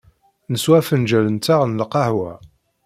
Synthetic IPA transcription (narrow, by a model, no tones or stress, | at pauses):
nəswæfənd͡ʒælənt̪aʁnələqɑhwæ̰